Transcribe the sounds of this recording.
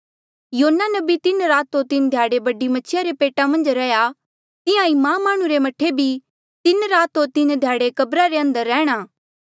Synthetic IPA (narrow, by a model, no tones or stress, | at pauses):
joːnːanɐbit̪ɪnɾaːt̪ot̪ɪnd̪ʱjaːɽebɐɖimɐt͡ʃʰɪjaɾepeːʈamɐ̃nd͡ʒɾɛːja | t̪ɪjãimãːmaːɽ̃ũɾemɐʈʰːebʱi | t̪ɪnɾaːt̪ɦot̪ɪnd̪ʱjaːɽekɐbɾaɾeɐ̃nd̪əɾːɛːɽ̃aː